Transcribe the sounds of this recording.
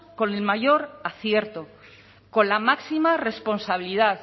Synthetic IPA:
ko̞ne̞lmaʝo̞ɾaθje̞ɾt̪o | ko̞nlamaksimare̞spo̞nsaβ̞iliðaθ

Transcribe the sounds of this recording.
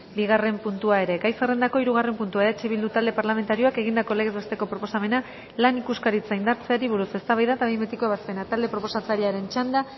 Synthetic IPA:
biɣare̞mpunt̪uae̞ɾe̞kajsarend̪ako̞iɾuɣ̞are̞mpunt̪uaeɾat͡ʃeβild̪ut̪ald̪e̞paɾlame̞nt̪aɾio̞ake̞ɣ̞ind̪ako̞le̞ɣezbest̪e̞ko̞pɾo̞po̞same̞na | lanikuskaɾit͡saind̪aɾt͡se̞aɾiβ̞uɾuse̞st̪aβajðat̪aβejmet̪ikoaβaspe̞nat̪ald̪e̞pɾo̞po̞sat͡saɾiaɾe̞nt͡ʃand̪a

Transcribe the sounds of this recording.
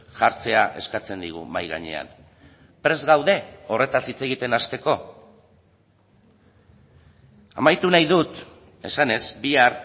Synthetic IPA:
ʝaɾt͡se̞aʔe̞̰skat͡se̞nd̪iɣ̞ṵmajɣa̰ɲe̞̰a̰n | pɾe̞zɣawðe̞o̞re̞t̪asit͡se̞ɣit̪e̞nast̪e̞ko̞ | amajt̪unajðut̪ | e̞̰sane̞zbiar

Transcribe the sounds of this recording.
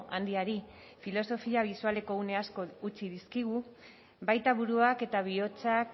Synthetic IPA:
and̪iaɾi | filo̞so̞fiaβ̞isuale̞ko̞une̞asko̞ut͡ʃiðiskiɣ̞u | bajt̪aβuɾuake̞t̪aβ̞io̞t͡sak

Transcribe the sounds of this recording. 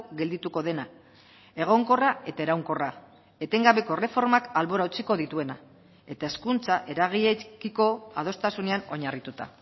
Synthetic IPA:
ɡe̞ld̪it̪uko̞ðe̞na | e̞ɣ̞o̞ŋko̞rae̞t̪ae̞ɾawŋko̞ra | e̞t̪e̞ŋɡaβe̞ko̞re̞fo̞ɾmakalβo̞ɾaut͡siko̞ðit̪ue̞na | e̞t̪ae̞skunt͡saʔe̞ɾaɣ̞iʎekiko̞að̞o̞st̪asune̞ano̞ɲarit̪ut̪a̰

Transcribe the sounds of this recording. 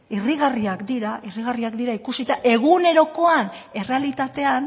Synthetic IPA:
iriɣ̞ariakd̪iɾairiɣariakd̪iɾaikusit̪aʔe̞ɣ̞une̞ɾo̞ko̞ane̞re̞alit̪at̪e̞an

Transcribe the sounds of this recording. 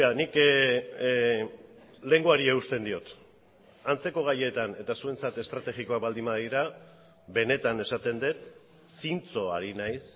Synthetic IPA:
anik | le̞ŋɡoaɾieust̪e̞nd̪io̞t̪ | ant͡se̞ko̞ɣ̞aje̞t̪ane̞t̪asue̞nt͡sat̪e̞st̪ɾat̪e̞ɣiko̞ak̚bald̪imbaðiɾa | be̞ne̞t̪ane̞sat̪e̞nd̪et̪ | sint͡so̞a̰ɾinajs

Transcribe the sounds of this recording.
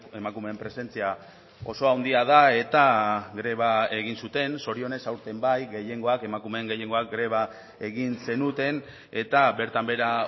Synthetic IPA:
e̞makume̞ːmpɾe̞se̞nt͡sia | o̞so̞awnd̪iaðae̞t̪aɡɾe̞βae̞ɣ̞insut̪e̞nso̞ɾio̞ne̞sawɾt̪e̞mbajɡe̞je̞ŋɡo̞ake̞makume̞ːŋɡeje̞ŋɡo̞ak̚ɡɾe̞β̞a | e̞ɣinse̞nut̪e̞n | e̞t̪abe̞ɾt̪ambe̞ɾa

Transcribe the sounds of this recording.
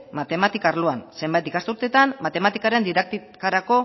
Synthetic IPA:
mat̪e̞mat̪ikaɾloanse̞mbajt̪ikast̪uɾt̪e̞t̪anmːat̪e̞mat̪ikaɾe̞nd̪iðak̚t̪ikaɾako̞

